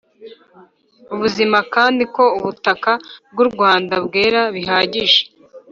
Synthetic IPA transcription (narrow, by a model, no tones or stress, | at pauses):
uβuzimakaːndiko̞uβutakab̚ɡuɾɡwaːndabɡe̞ːɾaβiɦaːɟiʒe̥